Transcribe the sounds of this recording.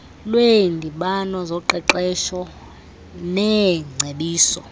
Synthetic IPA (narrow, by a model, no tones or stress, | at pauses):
lwendʱiɓanɔzɔǃɛǃɛʃɔ | nɛŋ͡ǀʱeɓiːsɔ